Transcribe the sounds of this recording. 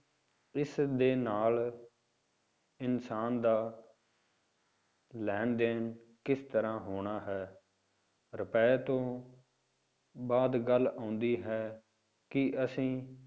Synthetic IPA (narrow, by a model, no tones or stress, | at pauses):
ɪsd̪eːnaːl | ɪnsaːnd̪aː | lɛːɳd̪eːn | kɪst̪əɾãːɦoːɳaːɦɛː | ɾəpɛːt̪õː | baːd̪ɡəlːãːʊnd̪iːɦɛː | kɪəsĩː